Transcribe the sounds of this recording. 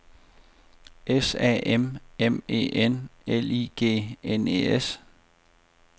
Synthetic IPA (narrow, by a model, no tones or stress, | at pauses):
ʔesɛ̰ʔememḛːʔeneliːɡ̥e̝̰ːenḛes